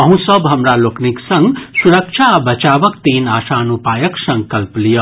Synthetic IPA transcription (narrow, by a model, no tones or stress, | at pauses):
ʌɦũsʌbɦʌmɾalokniksʌŋɡsuɾək̚t͡ʃʰabɐt͡ʃabʌkt̪enaːsanupajəksʌ̃ŋɡkʌlplijo